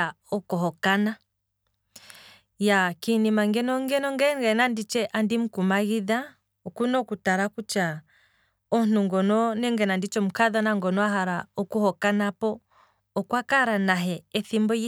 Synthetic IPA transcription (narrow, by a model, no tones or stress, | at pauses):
a | ɔkɔɦɔkana | jakinimaŋɡɛnɔŋɡɛnɔŋɡɛŋɡɛnandit͡ʃɛʔandim̩kumaɣiða | ɔkunɔkutaɾakut͡ʃa | ɔn̥uŋɡɔnɔnɛŋɡɛnandit͡ʃɔm̩kaðanaŋɡɔnɔaɦaɾaɔkuhɔkanapɔ | ɔkwakaɾanaɦɛɛθimbɔi